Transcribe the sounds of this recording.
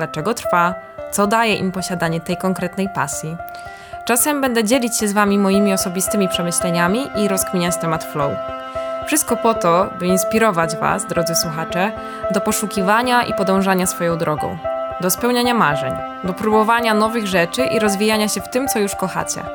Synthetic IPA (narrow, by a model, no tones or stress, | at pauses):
d̪lat͡ʂɛɡɔt̪ɾfa | t̪sɔd̪ajɛʔḭmpɔɕad̪aɲɛt̪ɛjkɔŋkɾɛt̪nɛjpa̰sʲji | t͡ʂasɛmbɛnd̪ɛd͡ʑɛlʲit͡ɕɕɛzvamʲimɔjimʲiɔsɔbʲist̪ɘmʲipʂɛmɘɕlɛɲamʲiʔiɾɔskmʲiɲat͡ɕt̪ɛmat̪flɔwṵ | fʂɨst̪̚kɔpɔt̪ɔbɘinspʲiɾɔvad͡ʑva̰sd̪ɾɔd̪zɘswuxat͡ʂɛ | d̪ɔpɔʂukʲivaɲaʔḭpɔd̪ɔ̃w̃ʐaɲasfɔjɔ̃w̃d̪ɾʔɔɡɔ̰̃w̃d̪ɔspɛwɲaɲamaʐɛɲ | d̪ɔpɾubɔvaɲanɔvɘɣʐɛt͡ʂɘʔiɾɔzvʲijaɲaɕɛft̪ɘmt̪sɔjuʂkɔxa̰t͡ɕɛ̰